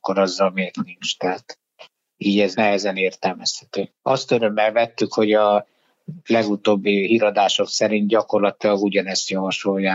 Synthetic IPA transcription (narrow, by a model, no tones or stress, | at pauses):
kːoɾɒzːɒlmeːrt̪nint͡ʃt̪ɛːt̪ | iːɟɛznɛɦɛzɛneːrt̪ɛlmɛshɛt̪øː | ɒst̪øɾø̞mːɛlvɛt̪ːykho̞ɟɒ | lɛɡut̪oːbːiɦiɾɒd̪aːʃo̞ksɛɾint̪̚ɟɒko̞rlɒt̪ilɒɡuɟɒnɛst̪jɒvɒʃojːaː